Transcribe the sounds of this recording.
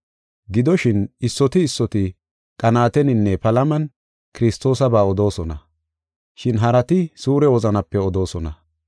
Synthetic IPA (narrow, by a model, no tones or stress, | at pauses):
ɡɪd̪ɔʃɪnɪsːɔt̪ɪːsːɔt̪ɪ | kʼɐnaːt̪ɛnɪnːɛpɐlɐmɐn | kɪɾɪst̪o̞ːsɐbaːɔd̪o̞ːsɔnɐ | ʃɪnɦɐɾɐt̪ɪsuːɾɛwɔzɐnɐpːɛɔd̪o̞ːsɔnɐ̰